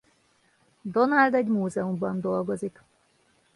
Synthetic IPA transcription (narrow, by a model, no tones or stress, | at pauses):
d̪o̞nald̪ɛɟmuːzɛumbɒnd̪o̞lɡo̞zik